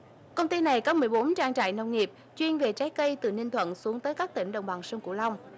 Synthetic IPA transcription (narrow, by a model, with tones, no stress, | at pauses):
kə˧wŋ͡mt̪i˧na˨˩jkɔː˨˦mɨ˨˩əjɓo˨˦nt͡ɕaː˧ŋt͡ɕa̰ː˧˨jnə˧wŋ͡mŋi˨˩əp̚ | t͡ɕwi˧ənve˨˩t͡ɕaː˨˦jkə˧jt̪ɨ̰˧˩nï˧ŋt̪ʰwə̰˧˨nsu˨˦əŋt̪əː˨˦jkaː˦˥k̚t̪ï˧˩ŋ̟ɗə̰˧˨wŋ͡mɓa˨˩ŋsə˧ŋ͡mkṵ˧˩la˧wŋ͡m